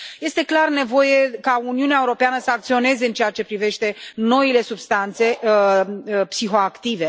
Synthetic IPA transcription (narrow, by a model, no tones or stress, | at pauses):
je̞st̪e̞klarne̞vo̞je̞kauniuneaeuɾo̞peanəsəakt̪sio̞ne̞ze̞ɨnt͡ʃejat͡ʃe̞pɾive̞ʃt̪e̞no̞ile̞subst̪ant̪se̞ | psixo̞akt̪ive̞